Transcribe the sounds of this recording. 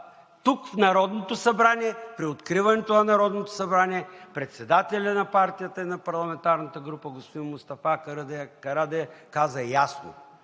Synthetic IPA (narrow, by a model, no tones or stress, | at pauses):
t̪ukfnɐɾɔd̪not̪osɐbɾanʲiɛpɾiot̪kɾivɐnɛt̪oɐnɐɾɔd̪not̪o̥sɐbɾaniɛpɾɛt̪sɛd̪at̪ɛlʲɐnɐpaɾt̪ijət̪əinɐpɐɾlˠɐmɛnt̪aɾnət̪əɡɾupəɡospod̪inmʊst̪ɐfakɐɾd̪kɐɾad̪ɛkazəjasno̰